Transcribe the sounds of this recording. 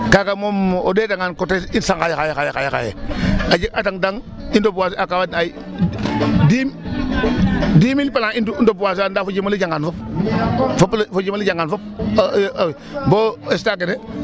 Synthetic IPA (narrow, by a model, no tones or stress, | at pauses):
kakamomodeːtaŋankotesinsaŋkajexajexajexajexa̰jḛad͡ʒeataŋdaŋ | indobuwas̬iakawadai | dim | diːmilpalainduindobuwas̬iandafod͡ʒimalid͡ʒaŋɡanfop | foplfod͡ʒimalid͡ʒaŋɡanfop̚ | boestakene